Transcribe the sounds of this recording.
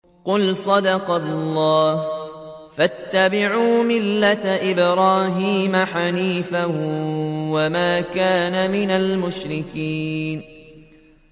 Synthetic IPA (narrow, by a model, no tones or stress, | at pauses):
qʊlsˤɑd̪ɑqɑlˤːɑːh | fat̪ːabɪʕuːmɪlːat̪ʔɪbɾɑːɦiːmaħaniːfah | wamaːkaːnamɪnalmʊʃɾɪkiːn